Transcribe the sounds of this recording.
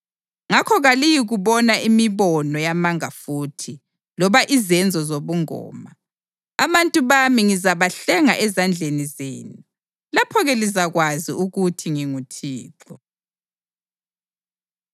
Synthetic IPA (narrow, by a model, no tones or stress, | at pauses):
ŋakʰɔɣalijiɣuβɔnaʔimiβɔnɔjamaŋafuːtʰi | lɔβaʔizɛnd͡zʱɔzoβuŋɔ̰ːma | aβantʼuβamiŋizaβaɬɛŋaʔɛzand͡ɮʱenizḛːnu | lapʰɔɣɛlizaɣwaziuɣutʰiŋiŋutʰiːǁɔ